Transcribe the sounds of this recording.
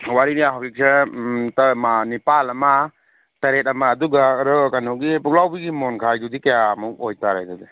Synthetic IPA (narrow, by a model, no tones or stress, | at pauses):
waɾinijaɦawik̚sʰetmanipalɐma | taɾet̚ɐmaːduɡaɾɔkanɔɡipuk̚lawbiɡimɔnkʰajdudikajamukojtaɾa̰jdudi